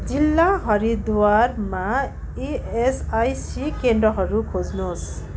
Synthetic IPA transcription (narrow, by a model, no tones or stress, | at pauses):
d͡zilːaɦʌɾid̪warma | iesajsikeɳɖɾɔɦʌɾukʰod͡znos